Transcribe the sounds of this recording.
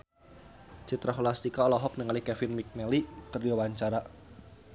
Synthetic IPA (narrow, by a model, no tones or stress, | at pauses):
t͡ʃit̪ɾʔaɦɔlast̪ikaɔlɔɦɔk̚nəŋalikɛfɪnmik̚nɛlikɨrdiwawaɲt͡ʃaɾa